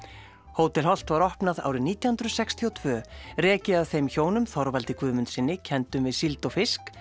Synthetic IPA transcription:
hoːwt̪ɪlɦɔl̥t̪vaɾɔhpnaða̰ːwɾɪniːt̪jahʏnd̪ɾʏsɛkst̪ʰiɔt̪ʰvœːrɛːcɪaðθejmçoːwnʏmθɔɾvalt̪ɪkvʏːmʏnt̪sɪnːɪcʰɛnt̪ʏmvɪðsilt̪ɔfɪsk

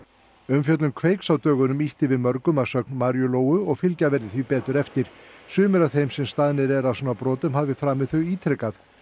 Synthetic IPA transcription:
ʏmfjœt̪lʏmkʰveːjksawt̪œːɣʏnʏmiht̪ɪvɪðmœɾkʏmasœknmaɾjʏloːwʏɔɣfɪlcavɛɾðɪθvipɛːt̪ʏɾɛft̪ɪɾ̥sʏːmɪɾaθejmsɛmst̪aðnɪɾɛɾasɔːnapɾɔːt̪ʏmhaːvɪfɾaːmɪθœɥiːt̪ʰɾɛkaθ

